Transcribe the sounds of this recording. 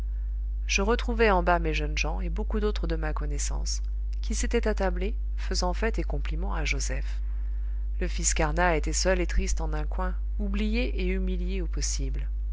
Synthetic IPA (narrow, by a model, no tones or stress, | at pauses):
ʒ̥əʁət̪χuvɛɑ̃bameʒənʒɑ̃ebokud̪ot̪χəd̪əmakɔnɛsɑ̰̃s | kʲʰiset̪ɛt̪at̪able | fəzɑ̃fɛt̪ekɔ̃plimɑ̃aʒozɛf | ləfiskaʁnaet̪ɛsœlet̪χist̪ɑ̃nɛ̃kwɛ̃ | ublijeʔeymiljeopɔsibl